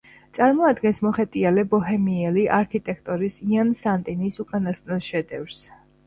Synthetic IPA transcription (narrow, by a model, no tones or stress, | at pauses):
sʼaɾmɔad̪ɡɛnsmɔχɛt̪ʼialɛbɔɦɛmiɛliʔaɾkʰit̪ʼɛk̚ʰt̪ʼɔɾisiansant̪ʼinisukʼanasnɛlˠʃɛd̪ɛvɾs